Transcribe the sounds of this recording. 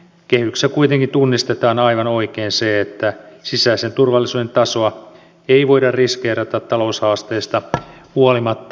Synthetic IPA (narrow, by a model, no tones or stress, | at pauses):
kehyksækuit̪eŋkint̪unːist̪et̪ɑːnɑiʋɑnoikeːnseet̪ːæsisæisent̪urʋɑlːisuːde̞nt̪ɑsoɑ | eiʋoidɑrriskeːrɑt̪ɑt̪t̪ɑloushɑːst̪eːst̪ɑhuolimɑt̪ːɑ